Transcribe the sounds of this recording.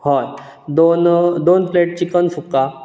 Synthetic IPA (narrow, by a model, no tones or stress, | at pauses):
hɔj | d̪ond̪onfleʈ̚t͡ɕikənsuka